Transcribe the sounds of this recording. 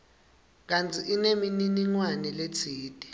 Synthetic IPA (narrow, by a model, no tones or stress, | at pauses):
k̬ant͡sʰʼiʔinemininiŋwanɛlet͡sʰiːtʼi̥